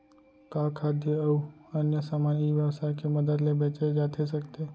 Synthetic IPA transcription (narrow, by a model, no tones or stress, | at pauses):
kakʰad̪jəəuənjəsaːmaniʋjəʋsajkeməd̪əd̪lebet͡ʃed͡ʒat̪ʰesəkt̪e